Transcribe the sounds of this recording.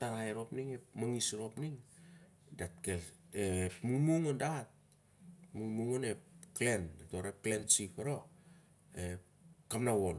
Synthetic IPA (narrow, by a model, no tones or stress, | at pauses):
taɾaeɾo̞pniŋe̞pmaŋisɾo̞pniŋ | datkeepmuŋmuŋondat̚ | muŋmuŋone̞pkle̞neto̞ɾep̚kle̞nt͡ʃipaɾo̞ | e̞ | kamnawo̞l